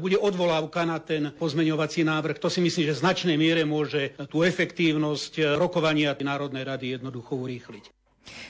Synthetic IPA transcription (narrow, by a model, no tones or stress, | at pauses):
buɟɛʔɔd̪ʋɔlaːʊkanat̪ɛnpɔzmɛɲɔʋat͡sinaːʋr̩xt̪ɔsimisliːmʒɛznat͡ʃnɛjmɪɛɾɛmʊɔʒɛt̪uːɛfɛkt̪iːʊnɔscɾɔkɔʋaɲɪanaːɾɔd̪nɛjɾad̪ijɛd̪nɔd̪uxɔuɾiːxlic